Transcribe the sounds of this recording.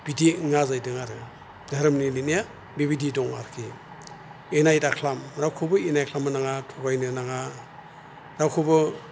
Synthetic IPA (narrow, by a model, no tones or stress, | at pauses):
b̥idiŋazajdɯŋaɾɯ | dʱaɾɯmnininija | bibididɔŋa̰ɾkʰi | enajdakʰlamɾawkʰɯbɯenajkʰlamɯnaŋatʰɔɡajnɯnaŋa | ɾawkʰɯbɯ